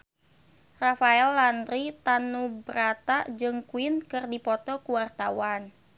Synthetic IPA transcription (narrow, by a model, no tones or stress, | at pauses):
rafaɛlːand̪ɾit̪anubɾat̪ad͡ʒɨŋkuɪnkɨrdipɔt̪ɔkuwart̪awan